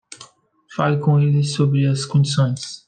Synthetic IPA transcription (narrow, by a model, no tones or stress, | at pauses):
falkõelɪsobɾɪɐskõd͡ʒisõj̃s